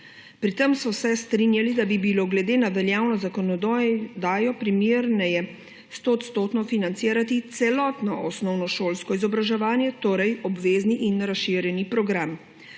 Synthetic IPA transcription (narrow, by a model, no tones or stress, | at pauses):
pɾit̪əmsɔsɛst̪ɾinjalid̪abibiloɡlɛd̪eːnaʋɛljaːwnɔzakɔnɔd̪ɔjd̪aːjɔpɾimjeɾnɛjɛ | st̪oːt̪st̪oːt̪nɔfinant̪siːɾat̪it̪sɛlɔt̪nɔɔsnɔwnɔʃoːlskɔizɔbɾaʒɛʋaːnjɛt̪oːɾɛjɔbʋeːzniʔinɾasʃiɾjɛnipɾɔɡɾam